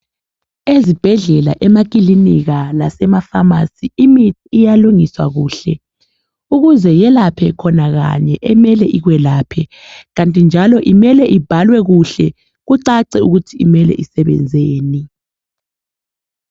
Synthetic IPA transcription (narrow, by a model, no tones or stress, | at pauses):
ezib̥ʱɛɮɛla̰ʔɛmak̬ʼiliniɣalasɛmafamasiimitʰːjaluŋiswa̰ɣuːɬɛ | uɣuzɛjɛlapʰɛkʰɔnaɣa̰ɲɛʔɛmɛlɛʔiɣwɛlaːpʰɛ | ɣantʼind͡ʒʱalɔʔimɛlɛʔib̥ʱalwɛɣuɬɛ | ɣuǀaǀɛuɣutʰiimɛlɛ̰ʔisɛβɛ̰nd͡zʱeːni